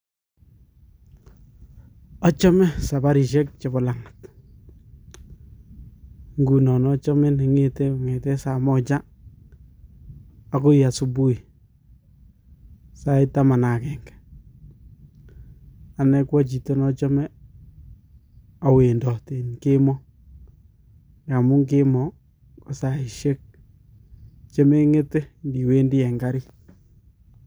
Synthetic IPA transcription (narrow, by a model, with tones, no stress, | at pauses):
ɔ˦t͡ʃɔ˦mɛ˦sa˨ba˦ɾi˨ʃɛ˦k̚t͡ʃe˨bɔ˨la˨ŋḁ˨t | ŋɡu˨nɔ˨nɔ˦t͡ʃɔ˦me˦ni˨ŋete˦˨ŋe˨tɛ˦sa˨mɔ˦t͡ʃa˦ | a˨ko˦ja˨su˦bu˦i˨ | sa˦i˦ta˦ma˨na˨kɛ˨ŋɡḁ˨ | a˨nɛ˦kwɔ˦t͡ʃi˨to˦nɔ˦t͡ʃɔ˦mɛ˦ | a˨we˨ndɔ˨te˨nke˦mɔ˦ | ka˨mu˦ŋke˦mɔ˨ | kɔ˨sa˨i˨ʃe˦k̚ | t͡ʃe˦me˦ŋe˦te˦ndi˨we˦ndi˦ɛ˨ŋɡa˦ɾi˦